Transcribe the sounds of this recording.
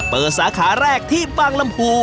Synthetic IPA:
pɤː˨˩t̪̚saː˩˦kʰaː˩˦ɾɛː˥˩k̚t̪ʰiː˥˩fa˥˩ŋla˧mpʰuː˧

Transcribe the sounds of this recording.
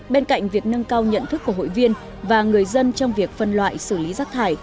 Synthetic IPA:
ɓe˧nka̰˧˨jŋ̟vi˨˩ək̚nə˧ŋkaː˧wɲə̰˧˨nt̪ʰɨ˦˥k̚ːu˧˩ɦo̰˧˨jvi˧ən | vaː˨˩ŋɨ˨˩əjzə˧nt͡ɕɔ˧wŋ͡mvi˨˩ək̚fə˧nlwa̰ː˧˨jsɨ˧˩li˨˦zaː˦˥k̚t̪ʰaː˧˩j

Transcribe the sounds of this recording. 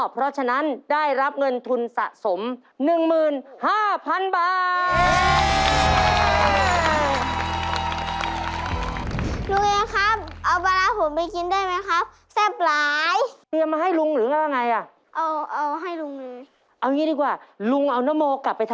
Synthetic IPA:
pʰɾɔ˦˥t͡ɕʰa˧na˦˥ndaː˥˩jɾa˦˥p̚ŋɤ˧nt̪ʰu˧nsa̰˨˩ʔso˩˦m | nɯ˨˩ŋmɯː˨˩nhaː˥˩pʰa˧nbaː˨˩ | lu˧ŋeː˧kʰa˦˥p̚ʔa˧wpa˧laː˧ɦo˨˩˦mpa˧jki˧nda˥˩əjma˦˥jkʰa˦˥p̚ | sɛː˥˩p̚laː˧˨˦jt̪i˧əmːaː˧ɦa˥˩jlu˧ŋɾɯː˨˦ŋa˧˥˩wja˧ŋːa˧jʔa˨˩ | ʔa˧wʔa˧wɦa˥˩jlu˧ŋlɯː˧˦j | ʔa˧wŋiː˧˦˥diː˧˩k̚waː˨˩lu˧ŋʔa˧wna˦˥˨mːoː˧kla˨˩pːa˧jt̪ʰa˧

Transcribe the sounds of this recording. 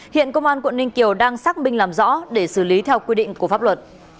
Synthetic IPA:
hḭ˧˨ənkə˧wŋ͡mʔaː˧nkwə̰˧˨nï˧ŋ̟ki˨˩əwɗaː˧ŋsaː˦˥k̚mï˧ŋ̟laː˨˩mzɔ̰˧˥ɗe˧˩sɨ˧˩li˨˦t̪ʰɛ˧wkwi˧ɗḭ˧˨ŋ̟ku˧˩əfa˦˥p̚lwə˨˩t̚

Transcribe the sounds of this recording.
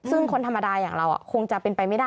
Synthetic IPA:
sɯ˥˩ŋkʰo˧nt̪ʰa˧mːa˧daː˧jaː˨˩ŋɾa˧wʔa̰˨˩kʰo˧ŋt͡ɕa˨˩ʔpe˧npa˧jma˥˩daː˥˩

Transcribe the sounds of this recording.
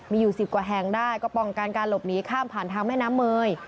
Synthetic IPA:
miː˧juː˨˩si˨˩p̚kwaː˨˩ɦɛ˨˩ŋdaː˥˩jkɔː˥˩pɔ˨˩ŋ˨˩ka˧nkaː˧nlo˨˩p̚niː˦˥kʰaː˥˩mpʰaː˨˩nt̪ʰaː˧ŋmɛː˥˩jnaː˦˥mːɤː˧j

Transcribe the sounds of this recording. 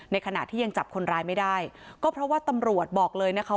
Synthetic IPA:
na˧jkʰa˧na̰˨˩t̪ʰiː˥˩a˧ŋt͡ɕa˨˩p̚kʰo˧nɾaː˧jma˥˩jdaː˥˩jkɔː˥˩pʰɾɔ˦˥waː˥˩t̪a˧mɾu˨˩ət̪̚bɔː˨˩k̚lɤː˧jna˦˥kʰa˦˥

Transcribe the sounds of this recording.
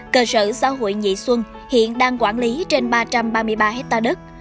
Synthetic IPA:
kəː˧sə̰ː˧˩˨sa̰ː˧˥ɦo̰˧˨jɲḭ˧˨swə˧n | hḭ˧˨ənɗaː˧ŋkwaː˧˩nli˨˦t͡ɕe˧nɓaː˧t͡ɕa˧mɓaː˧mɨ˧əjɓaː˧ɦɛ˦˥t̚t̪aː˧ɗə˦˥t̚

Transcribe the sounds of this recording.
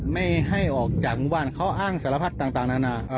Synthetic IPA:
ma˥˩jha˥˩jʔɔː˨˩k̚t͡ɕaː˨˩k̚ŋwaː˥˩nkʰa˦˥wʔaː˥˩ŋsa˨˩˦la˧pʰa˦˥˩t̪ːaː˨˩ŋt̪aː˨˩ŋnaː˥˩naː˧˩˧

